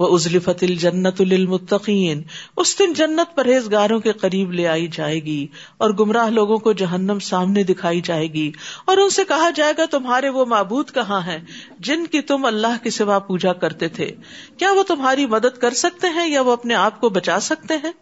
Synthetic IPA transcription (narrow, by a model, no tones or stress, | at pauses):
ʋɐʊzlɪfɐt̪ɐld͡ʒɐnːɐt̪lɪlmʊt̪ːɐqiːnʊsd̪ɪnd͡ʒɐnːət̪̚pɐɾeːzɡaːɾõkiqɐɾiːbleaːid͡ʒaːeːɡi | ɔːɾɡʊmɾaːɦloːɡõkod͡ʒɐɦənːəmsaːmned̪ɪkʰaːid͡ʒaːeːɡiɔːɾʊnsekɐɦad͡ʒaːeːɡat̪ʊmɦaːɾeʋomaːbuːd̪kɐɦãɦɛ̃ː | d͡ʒɪnkit̪ʊmɐlːaːɦkisɪʋapuːd͡ʒakɐɾt̪et̪ʰḛː | kjaːʋot̪ʊmɦaːɾimɐd̪əd̪̚kɐɾsɐk̚t̪eɦɛ̃jaʋoɐpneaːp̚kobɐt͡ʃaːsɐk̚t̪eɦɛ̃ː